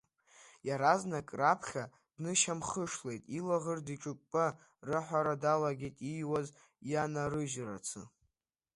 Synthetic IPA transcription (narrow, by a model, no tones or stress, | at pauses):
jaɾaznakʼrapʰχʲa | d̥nɨʃamχəʂle̞jtʼilaʁərdiʈ͡ʂʼɨkʷʼpʼa | rɨħʷaɾadalaɡʲejtʼijwaz | janaɾɨʒra̰t͡sʰɨ̰